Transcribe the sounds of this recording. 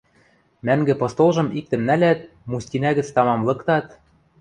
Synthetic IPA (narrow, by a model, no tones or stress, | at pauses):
mæŋɡɘ̆pɤ̆st̪olˠʒɤ̆mik̚t̪ɘ̆mnælæt̪̚ | musʲt̪ʲinæɣɘ̆t͡st̪ɑmɑmlˠɤ̆kt̪ɑt̪